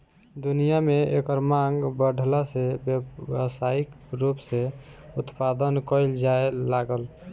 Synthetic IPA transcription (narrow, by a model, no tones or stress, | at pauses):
d̪unijameekəɾmãɡbəɖʱlasebjəsaik | ɾupseut̪pad̪ənkəjld͡ʒaelaɡəl